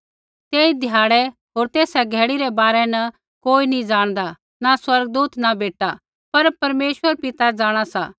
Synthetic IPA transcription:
t̪eːid̪ʱjaːɽɛ | ɦoːɾt̪eːsɛɡʱɛːɽiɾɛbaːɾɛnɐ | koːinĩd͡ʒaːɽ̃d̪a | naswɐɾɡ̚d̪uːt̪nabeːʈa | pɐɾpɐɾmeːʃwəɾpɪt̪ad͡zaːɽ̃asa̰

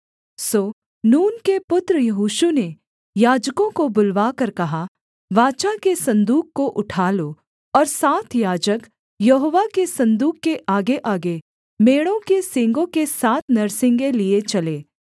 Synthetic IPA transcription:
soː | nuːnkepʊt̪ɾəjɐɦuːʃune | jaːd͡ʒkõkobʊlʋaːkɐɾkɐɦa | ʋaːt͡ʃakesɐ̃nd̪uːkːoʔʊʈʰaːlo | ɔːɾsaːt̪ʰjaːd͡ʒək | jɐɦoːʋakesɐ̃nd̪uːkːeʔaːɡeʔaːɡe | meːɽõkesɪ̃ŋɡõkesaːt̪ʰnɐɾsɪ̃ŋɡeliet͡ʃɐleː

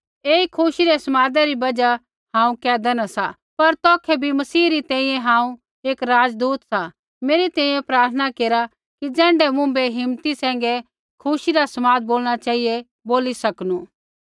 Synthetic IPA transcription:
eːikʰuʃiɾesɐmaːd̪ɛɾibɐd͡ʒa | hãːũkɛːd̪ɛnasa | pɐɾt̪ɔːkʰɛbʱimɐsiːɾit̪ɛ̃ːĩjɛ̃ɦãːũ | eːkɾaːd͡ʒd̪uːt̪sa | meːɾit̪ɛ̃ːĩjɛ̃pɾaːɾt̪ʰənakeːɾa | kid͡zɛ̃ːɳɖɛmʊ̃beɦɪmt̪isɛ̃ːŋ̆ɡɛ | kʰuʃiɾasɐmaːd̪̚boːlɽ̃at͡ʃaːije | boːlisɐknũː

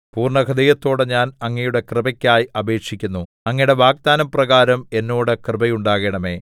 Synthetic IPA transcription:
puːrɳɐkʰɐd̪ɐjɐt̪ːo̞ːɽɨɲaːnɐŋːɐjuɽe̞krɨbɐkʲːaːjɐbe̞ːkʂikʲːunːu | ɐŋːɐjɽe̞ʋaːɡ̚d̪aːnɐmprɐɣaːɾɐme̞nːo̞ːɽɨkrɨbɐjuɳɖaːɣeɳɐme̞̰ː

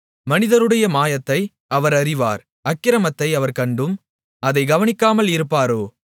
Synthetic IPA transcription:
mɐnɪðɐɾɯɽɐjɐmaːjɐt̪ːɐɪ | ɐʋɐɾɐɾɪʋa̰ːɾ | ɐkːɪɾɐmɐt̪ːɐɪɐʋɐɾkɐɳɖɯm | ɐðɐɪɡɐʋɐnɪkːaːmɐlɪɾɯpːaːɾoː

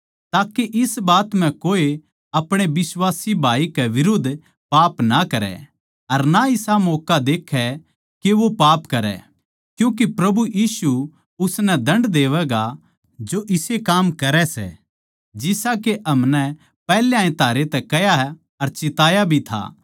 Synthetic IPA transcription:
t̪aːkeʔɪsbaːt̪m̤ɛ̃koːe | ɐpɽ̃ebɪswaːsibʱaːikɛʋɪɾoːd̪ʱː | paːpnakɐɾɛ̰ | ɐɾnaɪsamoːkad̪eːkʰːɛ | keʋopaːpkɐɾɛ̰ | kjũːk̬epɾɐbʱujiːsu | ʊsnɛd̪ɐ̃ɳɖd̪eːʋɛɡa | d͡ʒoʔɪsekaːmkɐɾɛsɛ̰ | d͡ʒɪsakeʔɐmnɛ | pɛːleãːẽt̪aːɾet̪ɛkɐja | ɐɾt͡ʃɪt̪aːjabʱit̪ʰa̰ː

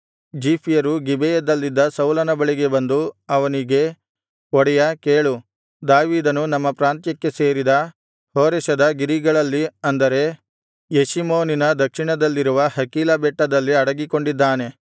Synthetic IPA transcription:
d͡ʒiːpʰijɐɾuɡibejɐd̪ɐlːid̪ːɐsɐwlɐnɐbɐɭiɡe̞bɐnd̪uɐʋɐniɡe̞ | ɔɽɛjɐkeːɭu | d̪aːʋiːd̪ɐnunɐmːɐpɾaːnt̪jɐkːe̞se̞ːɾid̪ɐ | hoːɾɛʃɐd̪ɐɡiɾiɡɐɭɐlːiɐnd̪ɐɾe̞ | jeʃimoːninɐd̪ɐkʂiɳɐd̪ɐlːiɾuʋɐhɐkiːlɐbɛʈːɐd̪ɐlːiɐɽɐɡiko̞ɳɖid̪ːaːne̞

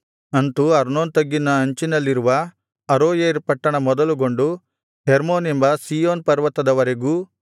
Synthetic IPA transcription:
ɐnt̪uɐɾnoːnt̪ɐɡːinɐːɲt͡ʃinɐlːiɾuʋɐ | ɐɾoːjeɾpɐʈːɐɳɐmɔd̪ɐluɡoɳɖu | heɾmoːnimbɐsiːjoːnpɐɾʋɐt̪ːɐd̪ɐʋɐɾeɡuː

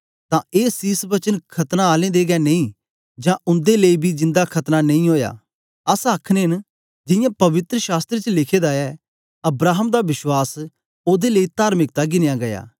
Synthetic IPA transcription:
t̪ãːeːsiːsbət͡ʃənkʰɐt̪naːaːlẽːd̪eːɡɛːneĩː | d͡ʒãːʔʊnd̪eːləiːbʱiːd͡ʒɪ̃nd̪aːkʰɐt̪nanɐĩɦoːja̰ː | əsaːkʰnen | d͡ʒɪjãːpɐʋɪt̪ɾəʃaːst̪ɾet͡ʃəlɪkʰeːd̪aɛː | ɐbɾaːɦəmd̪aːʋɪʃwaːs | oːd̪eːləiːt̪aːɾmɪkt̪aɡɪnjãːɡɐja̰ː

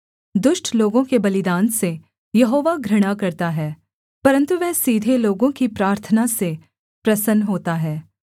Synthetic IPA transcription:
d̪ʊʃʈʰloːɡõkebɐlɪd̪ãːnse | jɐɦoːʋaɡɾɪɽ̃akɐɾt̪aɦɛː | pɐɾə̃nt̪uʋɛɦsiːd̪ʱeloːɡõkipɾaːɾt̪ʰənase | pɾɐsənɦoːt̪aɦɛː

